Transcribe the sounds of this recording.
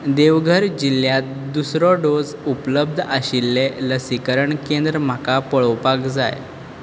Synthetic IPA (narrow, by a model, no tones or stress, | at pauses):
d̪eʋɡʱəɾd͡ʑilːjat̪̚d̪usɾɔɖod͡zupləb̚d̪ʱəɕilːeləsikəɾəɳkend̪ɾəm̤akapəɭɔwpakd͡za̰j